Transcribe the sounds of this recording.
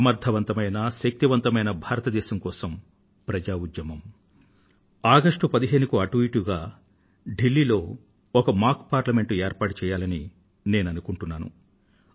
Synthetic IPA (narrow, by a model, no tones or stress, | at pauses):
ɐmɐɾd̪ʱɐʋɐnt̪ɐmɐjnɐʃɐk̚t̪iʋɐnt̪ɐmɐjnɐbʱaːɾɐt̪ɐd̪ɛːʃɐmkɔːsɐm | pɾɐd͡ʒaːud̪jɐmɐm | aːɡɐʂʈupɐd̪iɦe̞ːnukuɐʈʋiːʈuɡaː | ɖilːiːlo̞ː | ɔkɐmaːkpaːɾlɐme̞ɳʈueːɾpaːʈut͡ʃɛːjaːlɐni | ne̞ːnɐnukuɳʈunːaːnṵ